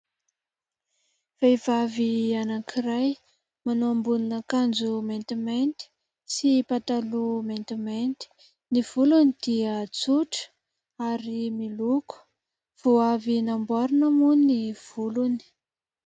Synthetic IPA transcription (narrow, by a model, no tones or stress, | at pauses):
vevavianakʰiraj | manoambuninakand͡zument̪iment̪i̥ | sipat̪alument̪iment̪i̥ | niv̥ulunid̪̥iət͡suʈ͡ʂə̥ | aɾimiluku̥ | v̥oavinambaɾunəmuniv̥uluni̥